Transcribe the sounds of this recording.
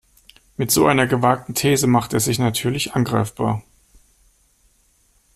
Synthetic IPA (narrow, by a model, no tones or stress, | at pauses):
mɪtz̥oːʔaɪnɐɡəvaːk̚tn̩tʰeːzəmaχteːɐzɪçnatʰyːɐlɪçʔanɡʁaɪfb̥aːɐ